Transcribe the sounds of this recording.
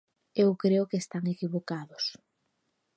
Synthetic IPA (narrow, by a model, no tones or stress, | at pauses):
ewkɾeʊkeːst̪aŋekiβokaðʊs